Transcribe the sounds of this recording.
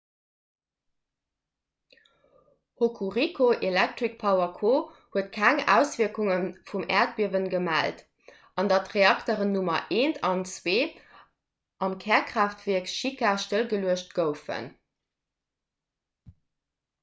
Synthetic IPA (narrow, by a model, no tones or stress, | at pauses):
hokʰuʁikʰoʔelæk̚tʁik̚pʰɑʊɐkʰoː | huətkʰæŋæ̰ːʊsv̥iɐkuŋənfumɛ̰ːɐt̚b̥iəvənɡəmæ̰lt | ɑndɑtʁeɑktəʁənːumɐʔeːntʰɑnt͡sweː | ʔɑmkʰɛːɐkχaːftv̥iɐəkʃikaʃtəlɡəluəɕt̚ɡ̥əʊfə̰n